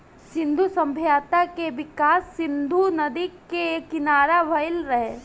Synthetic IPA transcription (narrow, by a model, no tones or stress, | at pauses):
sɪ̃nd̪ʱusɐ̃mbʱjaːt̪akeʋɪkaːsːɪ̃nd̪ʱunɐd̪ikːekɪnaːɾaʋʱɐjlɾɐɦeː